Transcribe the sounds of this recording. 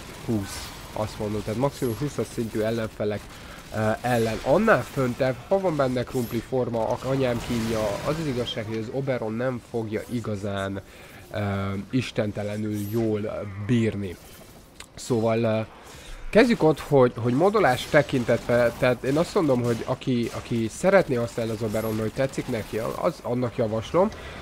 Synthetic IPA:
hus | ɒ̰st̪mo̞nd̪omt̪ɛaːt̪mɒksimumɦusɒt̪sint̪yːɛlːɛɱfɛlɛk | øʔɛlːɛnɒnːaːlfønt̪ɛvhɒvɒmbɛnːɛkrumplifo̞rmɒʔɒɲaːmkiːɲjɒɒzɒziɡɒʃːaːkho̞ɟɒzo̞bɛɾo̞nːɛɱfo̞ɡjɒ̰ʔiɡɒzaːn | øːiʃt̪ɛnt̪ɛlɛnyljoːlbiːrni | soːvɒl | kɛzɟyko̞t̪ho̞ɟɦo̞ɟmod̪olaːʃt̪ːɛkint̪ɛt̪ʋɛt̪ɛːt̪eːnɒst̪mo̞nd̪o̞mɦo̞ɟɒkiɒkisɛɾɛt̪neːɒsnaːlniɒzo̞bɛɾo̞nːɦoct̪ɛt̪sːiknɛkḭzɒnːɒkjɒvɒʃlo̞m

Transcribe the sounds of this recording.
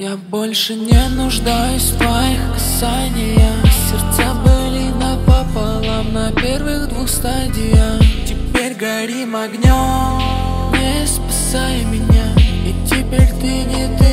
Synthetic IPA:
jabo̞lʲʂɨnʲenʊʐd̪ajʊsʲft̪vɐjixkɐ̥sanʲɪjəsʲɪrt̪sabɨlʲɪnapapɐlˠamnɐpʲe̞rvɨɣd̪vuxst̪adʲɪjətʲɪpʲeɾʲɡɐɾʲimɐɡnʲom | nʲespḁsajɪmʲɪnʲaɪtʲɪpʲeɾʲt̪ɨnʲɪt̪ɨ

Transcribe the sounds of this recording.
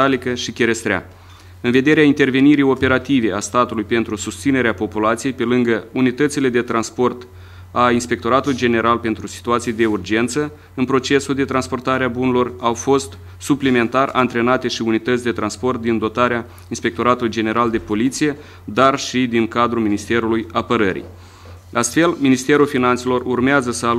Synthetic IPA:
alikəʃikʲe̞ɾe̞st̪ɾea̰ | ɨnve̞d̪e̞ɾeaint̪e̞rve̞niɾijo̞pe̞ɾat̪ive̞ast̪at̪ulujpe̞nt̪ɾusust̪sine̞ɾeapo̞pulat̪sije̞jpe̞lɨŋɡəunit̪ət̪sile̞d̪e̞t̪ɾanspo̞rt̪ | ainspe̞k̚t̪o̞ɾat̪ulujd͡ʒe̞ne̞ɾʔalpe̞nt̪ɾusi̥t̪uat̪sijed̪eurd͡ʒe̞nt̪sə | ɨnpɾo̞t͡ʃe̞suld̪e̞t̪ɾanspo̞rt̪aɾeabunelo̞rawfo̞st̪ | suplime̞nt̪ara̰nt̪ɾe̞nat̪e̞ʃiunit̪ət̪sʲd̪e̞t̪ɾanspo̞rt̪̚d̪ind̪o̞t̪aɾea | inspe̞k̚t̪o̞ɾat̪ulujd͡ʒe̞ne̞ɾald̪e̞po̞lit̪sije̞ | d̪arʃid̪iŋkad̪ɾuminist̪e̞ɾulujapəɾəɾḭ | ast̪fe̞lminist̪e̞ɾulfinant̪se̞lo̞rurmeazəsəa

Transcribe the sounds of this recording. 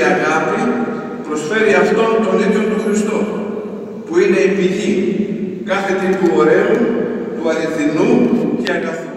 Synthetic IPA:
aɣapi | pɾo̞sfe̞ɾiaft̪o̞nt̪o̞niðjot̪uxɾist̪o | puine̞ipiʝi | kaθe̞t̪ipuoɾeut̪uaɾiθinuceaɡaθ

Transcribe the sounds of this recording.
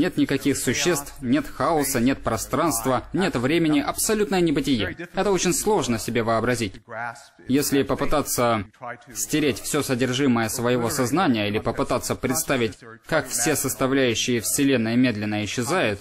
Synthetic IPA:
nʲe̞t̪nʲɪkɐkʲixsʊɕːe̞st̪fnʲe̞t̪xaʊsənʲe̞t̪̚pɾɐst̪ɾanst̪vənʲe̞t̪vɾʲemʲɪnʲɪʔɐpsɐlʲut̪nəjənʲɪbɨtʲɪjeɛt̪əot͡ɕɪnʲslˠo̞ʐnəsʲɪbʲevəɐbɾɐzʲitʲ | jesʲlʲɪpəpɨt̪at̪səsʲtʲɪɾʲetʲfsʲosədʲɪrʐɨməjəsvəjɪvo̞sɐznanʲɪjəilʲɪpəpɨt̪at̪sːəpɾʲɪt̪st̪avʲɪtʲkakfsʲe̞səst̪ɐvlʲæjʉɕːɪjəfsʲɪlʲe̞nːəɪmʲe̞d̪lʲɪnːəɪɕːɪzajʊt̪

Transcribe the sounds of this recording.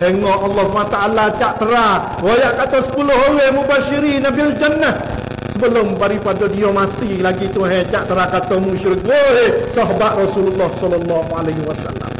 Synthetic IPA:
heŋɔʔalːɔhsəmaat̪aalat͡ʃaʔt̪əɾa | wojaʔkat̪ɔsə̥pulʊɦowemubaʃiɾinabild͡ʒanːa | səbəlʊmbaɾipadɔdiɔmat̪ilaɡit̪uɦɛt͡ʃaʔt̪əɾakat̪ɔmuʃɪrɡoɦesɔɦɔbat̪rɔsululːɔhsɔlɔlːɔɦualaɦwasa̰la̰m

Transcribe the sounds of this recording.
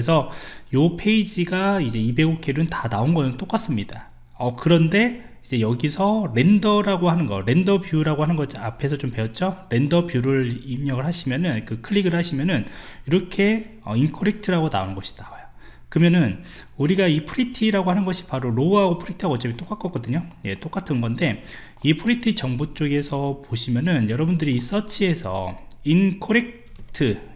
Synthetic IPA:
es̬ʰʌjopʰe̞id͡ʑiɡaid͡ʑeibe̞ɡokʰeɾɯntanaonɡʌnɯnt͈ok͈as͈ɯmɲida | ʌkɯɾʌnde̞ | id͡ʑe̞jʌɡisʰʌɾe̞ndʌɾaɡoɦanɯnɡʌ̰ɾe̞ndʌbjuɾaɡohanɯnɡʌd͡ʑiapʰe̞sʰʌt͡ɕompe̞ʌt̚t͡ɕ͈oɾe̞ndʌbjuɾɯɭimɲʌɡɯɭɦaɕʰimjʌnɯnkɯkʰɯɭːiɡɯɭhaɕʰimjʌnɯniɾʌkʰe̞ | ʌ̰inkʰoɾek̚tʰɯɾaɡona̰onɯnɡʌɕʰi̥daɡajo | kɯmjʌnɯn | uɾiɡaipʰɯɾitʰiɾaɡohanɯnɡʌɕʰi̥paɾoɾoɦaɡopʰɯɾik̚tʰaʌt͡ɕ͈epit͈ok͈ak͈ʌk͈ʌdɯɲoje̞̰t͈ok͈atʰɯnɡʌnde̞ | ipʰɯɾitʰit͡ɕʌŋbut͡ɕ͈oɡe̞sʰʌpoɕʰimjʌnɯnjʌɾʌbundɯɾiːs͈ʌt͡ɕʰie̞sʰʌ̰ | inkʰoɾe̞k̚ | tʰɯ

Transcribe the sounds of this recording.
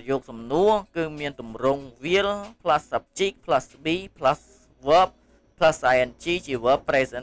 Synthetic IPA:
jɔːk̚sɑmnuəkɨːmiənt̪umrʊŋʋiəlpʰlasːap̚t͡ɕiːk̚pʰlasɓiːpʰlas | ʋəːp̚ | pʰlasːajənt͡ɕiːt͡ɕiəʋəːpːreːsə

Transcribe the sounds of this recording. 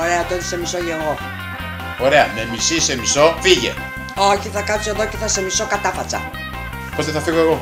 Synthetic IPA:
oɾeɐt̪oeði̥semisoʝeɣo̞ | oɾe̞ɐme̞misise̞misofiʝḛ | oçiθɐkɐse̞ðoceθɐse̞miso̞kɐt̪ɐfɐst͡sɐ̰ | pot̪eθɐfiɣoeɣo

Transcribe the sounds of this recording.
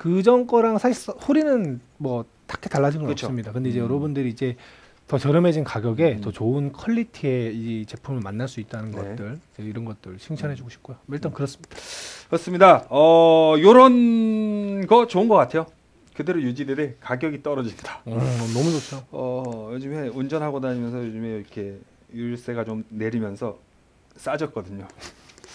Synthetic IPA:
kɯd͡ʑʌŋk͈ʌɾaŋsʰaɕʰis͈ʌhoɾinɯn | mwʌ | tʰḁkʰetaɭːad͡ʑiɡɯnkt͡ɕʰssɯmɲidakɯnde̞id͡ʑe̞jʌɾʌbundɯɾiːd͡ʑe̞ | tʌt͡ɕjʌɾjʌme̞d͡ʑinkaɡjʌɡe̞tʌt͡ɕoɯnkʰʌʎːitʰie̞it͡ɕe̞pʰumɯɭmanːaɭs͈uit̚t͈anɯnɡʌtt͈ɯɭid͡ʑe̞iɾʌnɡʌt̚t͈ɯɭɕʰiŋt͡ɕʰʌnɦe̞d͡ʑuɡoɕʰi̥p̚k͈ojoʌɭt͈ʌnkɯɾʌs͈ɯmɲid̥akɯɾʌs͈ɯmɲidaʌjoɾʌn | ɡʌt͡ɕoɯnɡʌk͈atʰe̞jo | kɯde̞ɾojud͡ʑidede̞kaɡjʌɡit͈ʌɾʌd͡ʑimidḁʌnʌmud͡ʑosʰʌjoʌjod͡ʑɯme̞und͡ʑʌnɦaɡodaimjʌnsʰʌjod͡ʑɯme̞iɾʌkʰe̞ | juɭs͈e̞ɡat͡ɕomne̞ɾimjʌnsʰʌ | s͈ad͡ʑʌt̚k͈ʌdɯɲo

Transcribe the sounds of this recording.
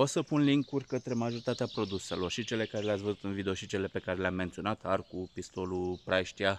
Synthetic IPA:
ot̪səpunliŋkurʲkət̪ɾe̞maʒo̞ɾit̪at̪eapɾo̞d̪use̞lo̞rʃit͡ʃe̞le̞kaɾeleat̪svəzut̪ɨnvid̪e̞o̞ʃit͡ʃe̞le̞pe̞kaɾe̞leamːe̞nt̪sio̞nat̪arkupist̪o̞lupɾajʃt̪ia

